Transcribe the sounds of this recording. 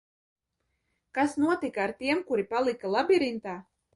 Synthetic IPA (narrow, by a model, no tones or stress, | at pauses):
kasnuɔt̪ikaaɾt̪iɛmkuɾipalˠikalˠabʲiɾint̪aː